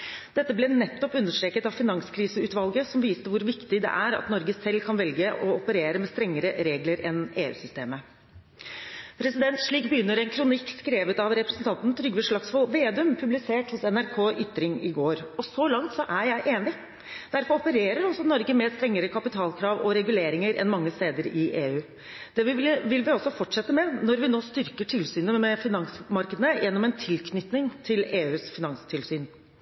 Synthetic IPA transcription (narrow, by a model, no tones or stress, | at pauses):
d̪̥ɛt̪ːəblɛnɛt̪ːɔpʉnːəʂʈɾeːkət̪ɑʋfɪnɑŋskʰɾiːsəʉːt̪ʋɑlɡəsɔmʋiːst̪əʋʊɾʋɪkt̪ɪd̪ɛ̰ʔæɾɑ̰t̪nɔɾɡəsɛlkʰɑnʋɛlɡəʔɔɔpəɾeːɾəmɛst̪ɾɛŋːəɾəɾeːɡləɾɛneːʉ̰ːsʏst̪eːmə | pʰɾɛsɪd̪ɛnt̪ʂɭiːkbəjʏnːəɾɛnkʰɾʊnɪkːskɾeːʋət̪ɑʋɾɛpɾɛsnt̪ʰɑnt̪n̩t̪ʰɾʏɡʋəʂɭɑksfɔʋeːd̪ʉmpʰʉblɪseːʈhʊsɛnæɾkʰoːʔʏt̪ːɾɪŋɪɡoːɾɔsɔlɑŋt̪sɔʔæɾjæɪʔeːnɪ | d̪̥æɾfɔɾɔpəɾeːɾəɾɔsɔnɔɾɡəmɛːst̪ɾɛŋːəɾəkʰɑpɪt̪ʰɑːlkʰɾɑːʋɔɾɛɡʉleːɾɪŋəɾʔɛ̰nmɑŋːəst̪eːd̪əɾɪʔeːʉː | d̪̥ɛɪʋɪlʋɪɔsːɔfɔʈʂɛt̪ːəmɛnɔɾʋɪnoːst̪ʏɾkəʈʰɪlsyːnəmɛfɪnɑŋsmɑɾkəd̪ənəjʔɛnːɔmɛnt̪ʰɪlkʰnʏt̪nɪŋt̪ʰɪleːʉːsfɪnɑŋst̪ʰɪlsyːn